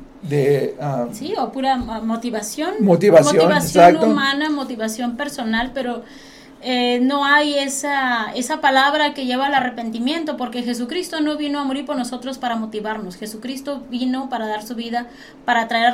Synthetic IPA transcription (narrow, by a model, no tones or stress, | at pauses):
d̪easiopuɾamo̞t̪iβasjo̞nmot̪iβasmojoinβasejsjaknuomanamo̞t̪iβasjo̞mpe̞ɾso̞nalpe̞ɾo̞ | eno̞ajesae̞sapalaβɾake̞ʝe̞βalare̞pe̞nt̪imje̞nt̪opo̞ɾke̞xe̞s̬ukɾist̪o̞no̞βino̞amo̞ɾiɾpo̞ɾno̞so̞t̪ɾo̞spaɾamo̞t̪iβaɾnosxe̞sukɾist̪o̞βino̞paɾaðaɾsuβiða | paɾat̪ɾae